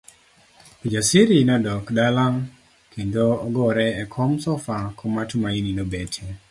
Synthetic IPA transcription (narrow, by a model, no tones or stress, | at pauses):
pid͡ʒasiɾinɔdɔkdalaŋ | kindoɔɡɔɾɛɛkʰɔmsɔfakʰɔmatmaininobetʰe